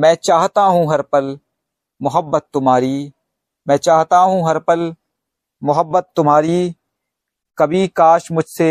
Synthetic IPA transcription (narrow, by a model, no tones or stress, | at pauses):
mɛ̃ːt͡ʃaːɦt̪aɦũːɦɐɾpəl | mʊɦəbːət̪ːʊmɦaːɾiː | mɛ̃ːt͡ʃaːɦt̪aɦũːɦɐɾpəl | mʊɦəbːət̪ːʊmɦaːɾiː | kɐbʱikaːʃmʊd͡ʒʱse